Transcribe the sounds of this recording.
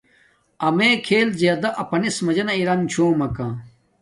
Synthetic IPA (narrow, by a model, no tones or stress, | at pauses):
ɐmeːkʰeːlzjaːd̪ɐʔɐpɐnismɐd͡ʑɐnɐiɾɐnt͡ɕʰoːmɐkãː